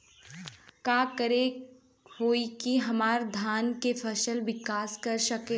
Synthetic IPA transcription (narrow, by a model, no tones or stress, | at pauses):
kaːkəɾe | hoːikiɦɐmaːɾd̪ʱaːnkefʰɐʃəlʋɪkaːskɐɾʃɐke